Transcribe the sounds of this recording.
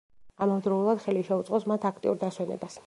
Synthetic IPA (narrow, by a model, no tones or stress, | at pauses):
amad̪ɾɔulˠad̪̥χɛliʃɛut̪sʼqʼɔsmat̪ʰakʰt̪ʼḭuɾd̪aswɛnɛ̰bas